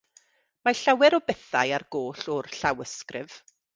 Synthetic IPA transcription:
maɬawɛɾɔbɛθa̰jarɡ̥oːɬɔrɬawəskrɪv̥

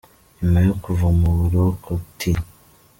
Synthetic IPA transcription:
imajokuvumuɾokotʰi

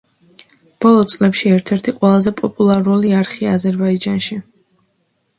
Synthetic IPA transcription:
b̥ɔlˠɔt̪sʼlɛpʃiɛɾt̪ʰɛɾt̪ʰiqʼwɛlˠazɛpʼɔpʼulˠaɾuliaɾχiazɛɾbaid͡ʒanʃi

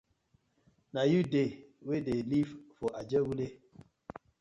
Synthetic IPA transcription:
najudewedelivfɔʔad͡ʒəwule

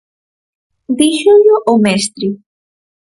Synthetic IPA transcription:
d̪iʃoʎoʔomɛst̪ɾi

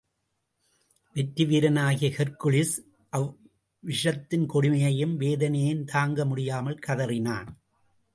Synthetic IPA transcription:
ʋɛʈːɪʋiːɾɐnaːɣɪjɐhɛɾkʊɭɪs | ʔɐ | ʋɪʂɐt̪ːɪnkɔɽɪmɐjɐjɯmʋeːðɐnɐjɪnt̪ʰaːŋɡɐmʊɽɪjaːmɐlkɐðɐrɪnaːn

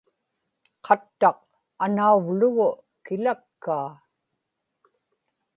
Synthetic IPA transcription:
qʰɑt̪ːɑq | anauvlʊɣʊ | kɪlakːaː

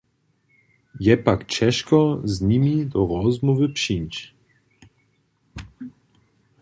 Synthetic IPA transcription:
jɛpakt͡ɕɛ̃ʂkɔzɲimʲid̪ɔɾɔzmuvɘpʂiɲʲt͡ɕ

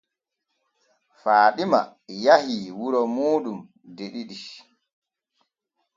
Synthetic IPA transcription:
faːɗima̰jahiwuɾɔmuːɗum | deɗiɗi

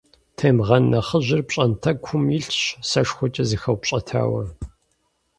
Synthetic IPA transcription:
tʰeːmʁɐnːɐχəʑɪrpɕʼɐntʰɐkʷʰʊmiɬɕsɐʂxʷʊt͡ʃʼɐzɨxɐwpɕʼɐtʰa̰ːwɐ

